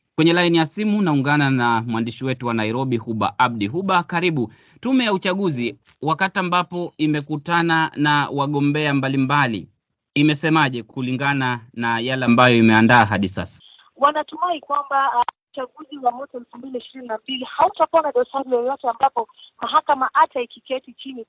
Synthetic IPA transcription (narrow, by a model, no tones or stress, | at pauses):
kwɛɲɛlainijasimunauŋɡananamwandiʃiwɛtuwanaiɾɔɓihuɓa̰ʔaɓ̚ɗiɦuɓakaɾiɓu | tumɛjaut͡ʃaɠuzi | wakatiambapɔimɛkutananawaɠɔmbɛambalimbali | imɛsɛmaʄɛkuliŋɡananajalɛambajɔimɛandaːɦaɗisa̰sḁ | wanatumaikwambaut͡ʃaɠuziwamwɔtaɛlfumbiliiʃiɾininambilihautakuanaɗɔsaɾijɛjɔtɛambapɔmaɦakamaʔataikikɛtit͡ʃini